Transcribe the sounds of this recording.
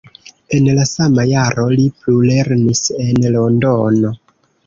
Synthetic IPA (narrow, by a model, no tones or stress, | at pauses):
e̞nlasamajaɾo̞liplule̞ɾnise̞nlo̞ndono̞